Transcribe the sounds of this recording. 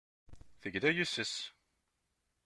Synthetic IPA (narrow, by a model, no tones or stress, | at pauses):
θəɡd̪æjusəs